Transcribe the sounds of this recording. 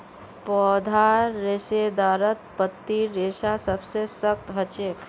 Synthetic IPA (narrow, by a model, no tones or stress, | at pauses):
pɔːd̪ʱaːɾːɪsed̪aːɾət̪̚pət̪ːiɾeːʃasəbsesəkt̪ɦət͡ʃek